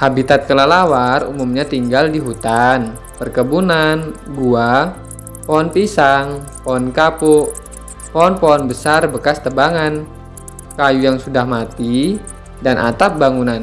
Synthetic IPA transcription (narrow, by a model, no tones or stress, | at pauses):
habit̪at̪̚kəlalawarṵmumɲat̪iŋɡaldiɦut̪an | pərkəbunanɡua | pɔɔnpisaŋ | poɔnkapʊʔ | pɔɔnpɔɔnbəsarbəkast̪əbaŋan | kajujaŋsudahmat̪i | danʔa̰t̪ap̚baŋunan